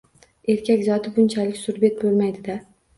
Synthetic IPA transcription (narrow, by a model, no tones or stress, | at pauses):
e̞ɾkʲʰakʲzɒt̪ʰɪbʊnt͡ʃʰalɪkʲsʊɾbe̞t̪̚bolˠmajd̪ɪd̪a